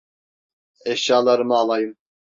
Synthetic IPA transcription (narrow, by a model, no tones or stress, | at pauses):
eʃɑːlˠɑɾɯmɑːlˠɑjɯm